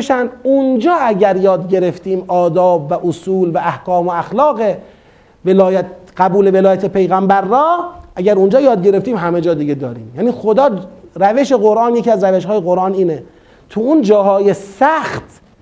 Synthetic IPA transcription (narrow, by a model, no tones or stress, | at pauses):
ʃænd̪und͡ʒɒːæɟæɾjɒːd̪ɟe̞ɾe̞ft̪iːmɒːd̪ɒːbvæʔosuːlvææhkɒːmoæxlɒːɣe̞ | velɒːjæt̪ɡ̥æbuːle̞velɒːjæt̪epʰe̞jɣæmbæɾːɒːʔæɡæɾund͡ʒɒːjɒːd̪̚ɟe̞ɾe̞ft̪iːmɦæmed͡ʒɒːd̪iɡed̪ɒːɾiːmjæːniːxo̞d̪ɒːɾæve̞ʃe̞ɣoɾʔɑːnje̞ciæzɾæve̞ʃɦɒːjeɣo̞ɾʔɑːniːne | t̪ʰuund͡ʒɒːɦɒːjesæxt̪